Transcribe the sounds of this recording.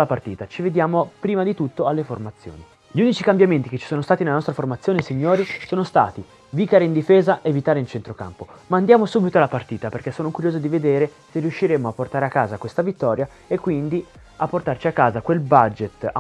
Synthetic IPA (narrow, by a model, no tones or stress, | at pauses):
lapart̪iːt̪at͡ʃived̪jaːmopɾiːmad̪it̪ut̪ːoalːeformat̪sːjo̰ːni | ʎiuːnit͡ʃikambjament̪iket͡ʃːi̥soːnost̪at̪inelanɔst̪ɾaformat̪sːjoːnesiɲːoːɾisoːnost̪a̰ːt̪i | vikaɾeind̪ifeːzaʔevit̪aːɾeint͡ʃent̪ɾoka̰mpomand̪jaːmosuːbit̪oalːapart̪iːt̪aperk̟esːoːnokuɾjoːzod̪ived̪eːɾe | seriuʃːiɾeːmoapːort̪aːɾeakːaːzakwest̪avit̪ːɔːɾja | ekːwind̪i | apːort̪art͡ʃiakːaːzakwelbad͡ʒet̪